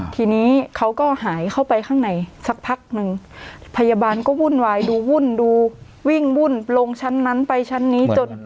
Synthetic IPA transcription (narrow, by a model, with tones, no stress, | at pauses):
t̪ʰiː˧niː˦˥kʰa˦˥wkɔː˥˩haː˨˩˦jkʰa˥˩wpa˧jkʰaː˥˩ŋna˨˩jsa˧˦k̚pʰa˦˥k̚nɯ˧ŋ | pʰa˧jaː˧baː˧nkɔː˥˩wuː˥˩nwaː˧jduː˧wu˥˩nduː˧ | wi˥˩ŋwu˥˩nlo˧ŋt͡ɕʰa˦˥nːa˦˥npa˧jt͡ɕʰa˦˥nːiː˦˥t͡ɕo˧n